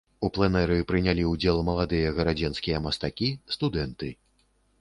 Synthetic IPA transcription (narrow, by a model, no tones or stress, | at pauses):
uplˠɛnɛɾɨpɾɨnʲalʲiud͡zʲɛlˠmɐlˠad̪ɨjɐɣɐɾad͡zʲɛnskʲijɐmɐst̪akʲist̪ud̪ɛnt̪ɨ